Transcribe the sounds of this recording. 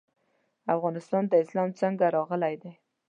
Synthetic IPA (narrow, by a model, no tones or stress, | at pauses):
afɣɑnɪst̪ɑnd̪əɪslɑmt͡səŋɡaɾɑɣəlajd̪aj